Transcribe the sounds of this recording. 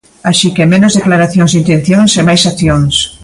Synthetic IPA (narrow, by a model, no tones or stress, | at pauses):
aʃikemẽnozðeklaɾaθjõŋzint̪en̟θjoŋsemajsaθjoŋs